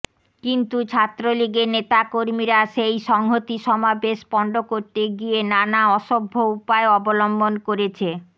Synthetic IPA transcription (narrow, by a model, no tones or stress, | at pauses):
kint̪ut͡ɕʰat̪ːɾoliɡeɾnet̪akoɾmiɾaʃejʃɔŋɦot̪iʃɔmabeʃpɔɳɖokoɾt̪eɡienanaɔʃobʱːoupaeɔbolombonkoɾet͡ɕʰe